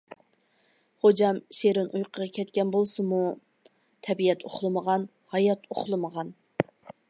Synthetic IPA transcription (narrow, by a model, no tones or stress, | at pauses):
χod͡ʒɑmʃeɾɪnʔujqʰəʁɑkʲʰɛt̪kʲɛnbolˠsɨmu | t̪ʰɛbijɛt̪ʰo̰χlˠɨməʁɑn | hɑjɑt̪ʰoχlˠɨməʁɑn